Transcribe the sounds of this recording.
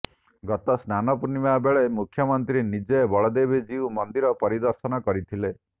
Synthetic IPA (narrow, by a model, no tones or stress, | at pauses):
ɡɔt̪ɔsnanɔpunimabeɭemukʰjɔmɔnt̪ɾinid͡ʒɔbɔɭɔd̪ebid͡ʒiumɔnd̪iɾɔpɔɾid̪ɔɾsɔnɔkɔɾit̪ʰile